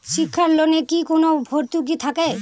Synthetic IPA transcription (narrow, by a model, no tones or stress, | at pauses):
ʃikʰːaɾlonekikonobʱoɾt̪uk̬it̪ʰake